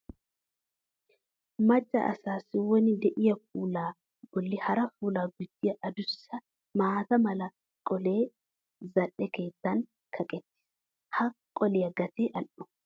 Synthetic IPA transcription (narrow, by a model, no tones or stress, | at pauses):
mɐt͡ʃʼːɐ̰ʔɐ̰saːsɪwɔnɪd̪ɛʔɪjɐfuːlaː | ɡ̥ɔlːɪhɐɾɐfuːlaːɡʊd̪ːɪjɐʔɐd̪ʊsːɐ | maːt̪ɐmɐlɐ | kʼɔle̞ː | zɐᶑɛke̞ːt̪ːɐŋ | kʰɐkʼɛt̪ːɪ̥s | hɐkʼːɔleɐɡɐt̪eːʔɐlʔʊ̥